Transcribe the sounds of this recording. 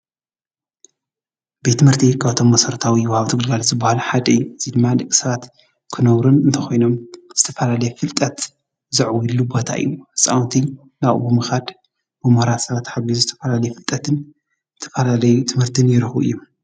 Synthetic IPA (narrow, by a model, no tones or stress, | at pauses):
bet̪ːɨmhɨɾt̪ʰikʰaβt̪ʰo̞mːɐsɐɾɐt̪ʰawiwɔhaβt̪ʰɨɡɨlɡalzɨbːɐhalħad̪ɐɨjːuɨzid̪ɨmːad̪ɨkʼi̥sɐβat̪ | kʰɨnɐβɾunɨnt̪ʰɐxo̞jno̞mz̥ɨt̪ʰɐfɐlalɐjɛfɨlt̪ʼɐt̪ | zɨʕwilːubo̞t̪ʰa̰ʔɨ̰jːuhɨsʼa̰wnt̪ʰi | naβ̰bɨmɨxad̪ | bɨmɨhɾat̪sɐβat̪ħaβiuzɨt̪ʰɐfɐlalɐjɛfɨlt̪ʼɐt̪ʰɨn | zɨt̪ʰɐ̥fɐlalɐjut̪ʰɨmhɨɾt̪ʰɨnjɪɾɨxṵʔɨ̰jːu